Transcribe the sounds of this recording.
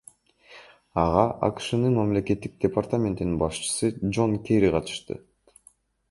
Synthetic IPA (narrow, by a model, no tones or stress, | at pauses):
ɑʁɑʔɑ̰kɯ̥ʃɯnɯnmamle̞ke̞t̪ːik̚d̥̪ʲepart̪amʲe̞nt̪ininbɑʃt͡ʃɯ̥sɯd͡ʒo̞nkʲeɾiqʰɑt̪ɯ̥ʃt̪ɯ̰